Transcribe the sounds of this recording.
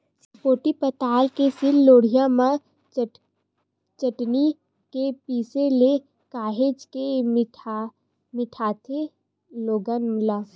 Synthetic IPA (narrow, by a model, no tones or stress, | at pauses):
s | poːʈipət̪aːlkesɪlːoːɽ̤ijãmã | t͡ʃəʈni | kepiːsele | kaːɦed͡ʒke | mɪʈʰaːt̪ʰe | loːɡənmlaː